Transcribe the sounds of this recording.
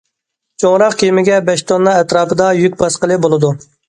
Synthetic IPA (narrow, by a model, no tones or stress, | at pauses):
t͡ʃʰoʁɾɑqkʲʰemɪɡʲɛbɛʃt̪ʰonːɑɛt̪ɾɑːpɨd̪ɑjykʲbɑsqəlˠɨbolˠɨd̪u